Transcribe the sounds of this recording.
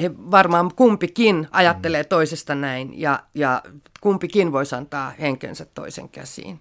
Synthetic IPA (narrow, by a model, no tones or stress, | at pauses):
heʋɑrmɑːmkumpikinɑjɑt̪ːeleːt̪oisest̪ɑnæinjɑ̰jɑkumpikinʋoisɑnt̪ɑːheŋkḛnsæt̪to̰isḛŋkæ̰sḭːn